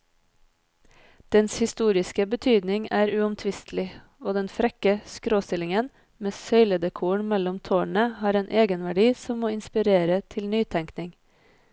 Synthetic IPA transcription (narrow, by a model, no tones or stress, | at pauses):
d̪̥ɛnshɪst̪uːɾɪskəbət̪ʰyːd̪nɪŋæːɾʉːʊmt̪ʰʋɪst̪lɪ | oːd̪ɛnfɾɛkəskɾoːst̪ɪlɪŋən | meːsœʏləd̪əkʰuːɳmɛlɔmt̪ʰoːɳəhɑːɾeːnʔeːɡənʋæɖiːsɔmmoːɪnspɪɾeːɾət̪ʰɪlnyːt̪ʰɛŋknɪŋ